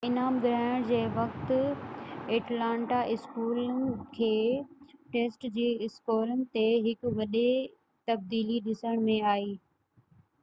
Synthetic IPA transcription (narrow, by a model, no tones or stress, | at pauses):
ɪnaːmɡɾaːɪɽd͡ʑeːʋɐkt̪ | eːʈlãːɳʈaʔɪskuːlɪ̆kʰeːʈeːsʈd͡ʑiːɪskoːlənɪ̆t̪eɦɪkʋɐɗe | t̪ɐb̚d̪iːliɗɪsəɽ̃mẽaːiː